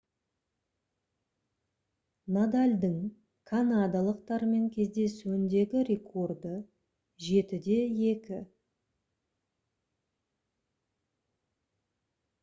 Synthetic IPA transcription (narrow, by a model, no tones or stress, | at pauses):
nad̪alʲd̪əŋ | kʰanad̪alˠəq̚t̪ɑɾme̞ŋkʲʰe̞zd̪e̞suɪnd̪e̞ɡʲɪɾe̞kʰo̞rd̪ə | ʒe̞t̪ɪd̪e̞je̞kʲɪ